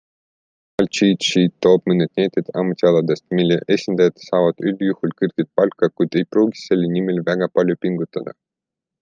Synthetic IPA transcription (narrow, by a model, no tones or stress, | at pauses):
ɑlt͡ʃiːt̪ʃiːd̪t̪ːo̞ːb̥mɤnːed̪̥̚nejt̪ːˑed̪ɑ̰mut̪ʲiɑlɑd̪e̞st̪milːḛʔesʲind̪̥ɑjɑd̪̥sɑːvɑd̪̥ylːjuhult̪̚kɯrɡ̥et̪̚pɑlkːɑkujd̪̥e̞jpruːɡi̥sse̞lːnimelvæɡ̥ɑpɑlʲjopiŋɡ̥ut̪ːˑɑd̪̥ɑ̰